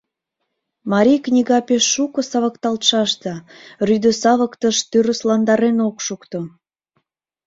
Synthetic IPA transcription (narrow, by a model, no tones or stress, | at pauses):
mɑɾʲijknʲiɣɑpeʃːukɤ̆sɑβəkt̪ɑlt̪ʃɑʃt̪əryd̪əsɑβəkt̪əʃt̪yɾəslɑnd̪ɑɾenokʃukt̪o